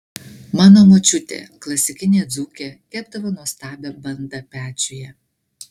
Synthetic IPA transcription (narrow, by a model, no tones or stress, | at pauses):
mɑːnoːmoːt͡ʃʲʊt̪ʲḛːklˠɐsʲɪkʲɪnʲeːd̪zuːkʲeːkʲæːb̚d̪ɐʋoːnuɔst̪ɑːbʲɛbɐnd̪ɑpʲæːt͡ʃʲʊjɛ